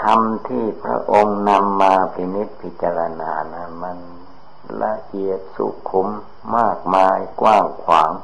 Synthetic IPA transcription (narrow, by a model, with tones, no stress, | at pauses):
t̪ʰa˧mt̪ʰiː˥˩pʰɾa̰˦˥ʔo˧ŋna˧mːaː˧pʰɾi˧ni˦˥t̪̚pʰi˦˥t̪̚t͡ɕa˧ɾa˧na̰ː˨˦na˧˥˩nma˧n | la̰˧ʔi˨˩ət̪̚sṵ˧˩kʰːu˧˦mː | aː˥˩k̚maː˧jkwaː˥˩ŋkʰwaː˩˦ŋ